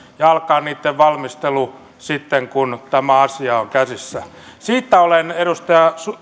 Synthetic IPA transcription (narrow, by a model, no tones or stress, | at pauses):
jɑɑlkɑːnniːt̪ːeʋʋɑlmist̪elu | sit̪ːeŋkunt̪æmæɑsiɑoŋkæsisːæ | siːt̪ːæoleneɾust̪ɑjɑsu